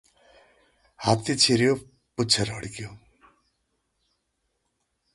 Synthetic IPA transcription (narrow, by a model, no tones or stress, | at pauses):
hat̪it͡sʰiɾijo | put͡sʰʌɾɦʌɽikijo